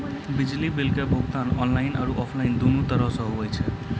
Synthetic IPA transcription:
bid͡ʒlibelkebʱoɡ̚t̪anɔnlajna̰ɾuʔɔpʰlajnd̪onut̪əɾʌsʌɦubəjt͡ʃʰe

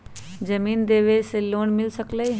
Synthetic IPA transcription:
d͡ʒɐmiːnd̪eːʋeseloːnmɪlsəkləi

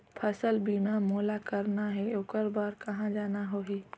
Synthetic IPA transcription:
pʰəsəlbiːmamoːlakəɾnaɦɛoːkəɾbaːɾkɐɦãd͡ʒaːnaɦoːɦiː

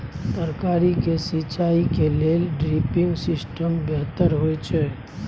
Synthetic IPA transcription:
t̪əɾkaːɾikesit͡ʃaːikeleːlɖɾipɪ̃ŋɡsɪsʈəmbɛɦt̪əɾɦoɛt͡ʃʰɛː

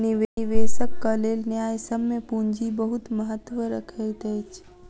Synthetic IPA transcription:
niʋeiʋesəkːəlelnjajsəbmepuɲd͡ʒibəɦut̪məɦət̪ːʋəɾəkʰəjt̪əjt͡ʃʰ

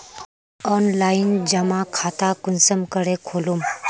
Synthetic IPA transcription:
ɔnlajind͡ʑəmakʰat̪akunsəmkəɽekʰolum

